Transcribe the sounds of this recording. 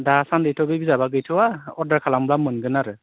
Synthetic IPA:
dasandɯjtʰɔbɯjbizabaɡɯjtʰɯwaɔdaɹkʰalamblamɯnɡɯnaɾɯ

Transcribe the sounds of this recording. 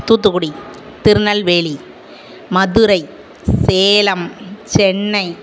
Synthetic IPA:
t̪ut̪uːɽi | t̪ɪɾɯnɐlʋeːɭi | mɐðɯɾɐɪ | seːlɐmt͡ʃɛɳːɐɪ

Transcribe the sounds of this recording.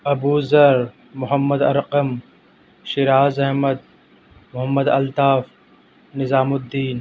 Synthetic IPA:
ɐbuːzɐɾ | mʊɦəmːɐd̪ɐ̰ɾqɐm | ʃɪɾaːzɐɦmɐd̪̚ | mʊɦɐmːɐd̪ɐlt̪aːf | nɪzaːmʊd̪ːiːn

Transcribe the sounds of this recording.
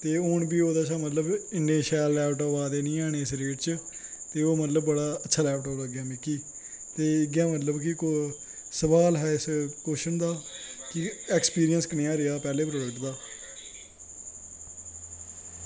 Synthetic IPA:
t̪eːoːɳbiːoːd̪aːt͡ʃʰaːmət̪ləbɪnːeːʃɛːlːɛːʈoːʋaːd̪eːnĩːaːɽ̃eːɪsɾeːʈt͡ʃt̪eːoːmət̪ləbːəɽaːətːʃʰaːlɛːpʈɔːəɡɪjaːmɪkiː | t̪eːɪɡjãːmət̪ləbkɪko | səbaːlɦɛːɪskoːʃənd̪aːkɪɛːkspiːɾɪjənskəneːãːɾeaːpɛːleːpɾoːɖəkʈd̪aː

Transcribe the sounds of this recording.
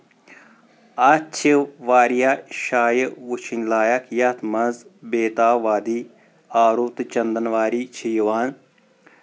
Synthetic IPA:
ɐt͡ʃʰiʋaːɾijaːʃaːjəʋut͡ʃʰinʲlaːjɐkʰjɐt̪ʰmɐzbeːt̪aːʋaːd̪iː | aːɾut̪t͡ʃɐnd̪ɐnʋaːɾiːt͡ʃʰijʋaːn

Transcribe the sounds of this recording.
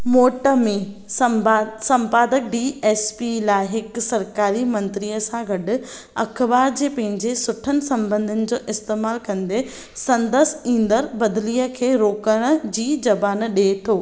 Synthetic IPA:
moːʈəmẽ | sɐ̃mpaːd̪ək̚ɖiːɛːspilaːɪɦɪksɐɾkaːɾimɐ̃nt̪ɾijəsãɡɐɗʊ̆ | ɐ̰kʰbaːɾd͡ʑeːpɐ̃ɦɪ̃ɲd͡ʑesʊʈʰənɪ̆sɐ̃mbə̃nd̪ʱɪnɪ̆d͡ʑoːʔɪst̪eːmaːlkɐ̃nd̪e | sɐ̃nd̪əsĩːnd̪əɾbɐd̪liːəkʰeːɾoːkəɽ̃ə̆d͡ʑiːd͡ʑɐbaːnɗet̪ʰoː

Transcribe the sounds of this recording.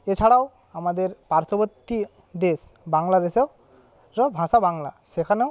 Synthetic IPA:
et͡ɕʰaɽaw | amad̪eɾpaɾt͡ʃɔbot̪ːi | d̪esbaŋlad̪esew | ɾɔbʱãsabaŋlasekʰanew

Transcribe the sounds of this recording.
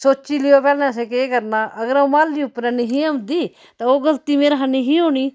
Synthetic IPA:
soːt͡ʃiːlɪjoːpɛːlnɛ̃ːsekeːkəɾnaːʔəɡəɾaũmaːlːiːʊpːɾɛ̃ːniɦiːəmd̪iː | t̪ãːoːɡəlt̪iːmeːɾɦaniːɦiːɦoːñiː

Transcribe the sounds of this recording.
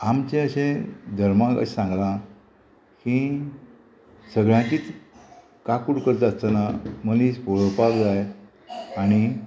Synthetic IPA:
amt͡ɕẽəɕẽd̪ʱəɾmãkə̰ɕsãŋɡlã | ki | səɡɭjãkiːt͡s̪ | kakuɽkəɾd͡zd͡zatt͡sənaməlispoɭəpabd͡zaj | aɽ̃i

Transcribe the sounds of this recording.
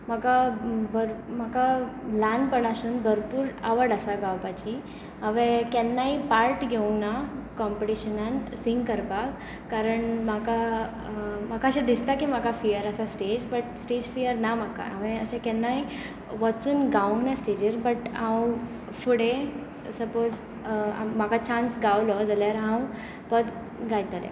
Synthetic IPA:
m̤akabəɾm̤akalanpəɽaɕuːnbʱəɾpuːɾaʋəɾɽəsaɡawpat͡ɕi | ə̃ʋẽkɛnːaipaɾʈɡʱeũŋɡnakɔmpəʈiɕənansiŋɡkəɾpakː | aɾəɳmaka | m̤akaəɕãd̪ist̪akimakafijəɾəsasʈed͡ʑbəʈsʈed͡ʑfijəɾnamaka̰ɦəʋẽəɕãkɛnːaɦi | ʋət͡suːnɡaʋũŋɡnasʈed͡ʑəɾbəʈãw | fuɽẽ | səpod͡z | a̰m̤akat͡ɕansɡawlɔd͡zaljaɾɦãw | pəd̪ | ɡajt̪aljḛ

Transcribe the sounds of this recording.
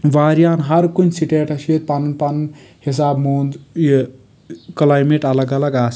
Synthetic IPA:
ʋaːɾijaːnɦɐɾkunsiʈeːʈɐsit̪̚panɐnpanɐn | his̬aːbmoːnd̪j | kɐlaːjmeʈɐlɐɡɐlɐɡaːs

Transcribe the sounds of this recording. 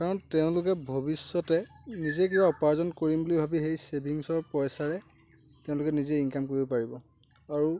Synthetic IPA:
kaɹɔntɛʊ̃lʊkɛbʱobisːɔtɛnizɛk̬ibaɔpaɹzɔnkoɹimbulibʱabixejsebʱiŋsɔɹpɔjsaɹɛ | tɛʊ̃lʊkɛnizɛinkamkoɹibɔpaɹibɔ | aɹu

